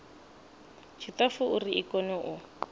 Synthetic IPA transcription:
t͡ʃʰitafʊuriikɔnɔʔʊ

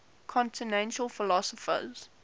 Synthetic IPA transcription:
kʰɔ̃ntʰɪnɛ̃nʃəlfɪlɔsəfə̰z̥

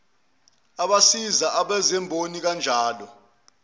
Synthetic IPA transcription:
aɓasizaʔaɓɛzɛmbʱonik̬and͡ʒʱaːlɔ

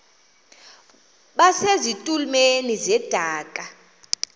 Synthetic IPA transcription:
ɓasezitʼulmenizɛd̥ʱaːkʼa

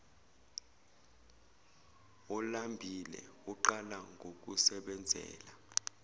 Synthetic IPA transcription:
ɔlambʱilɛ̰ | uǃalaŋɡʱok̬usɛɓɛnd͡zʱɛ̰ːla

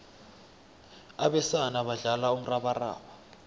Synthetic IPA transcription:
aɓɛsanaɓaɮalaum̩raɓara̰ːɓa

